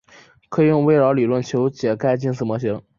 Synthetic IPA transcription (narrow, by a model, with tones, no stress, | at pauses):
kʰɤ˧˥i˨˩jʊ˥˧ŋwe˥ɪɻɑ˧˥li˨˩lwə˥˩nt͡ɕʰjo˧˥ʊt͡ɕjɛ˨˩ka˥ɪt͡ɕi˥˧nsɹ̩˥˩mwɔ˧˥ɕi˧˥ŋ